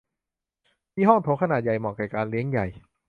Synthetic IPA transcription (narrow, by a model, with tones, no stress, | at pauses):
mʰiː˥˩ɦɔ˥˩ŋt̪ʰoː˨˦˥kʰa˧naː˨˩t̪̚ja˨˩jmɔː˨˩kɛː˨˩kaː˧nli˦˥əŋja˨˩j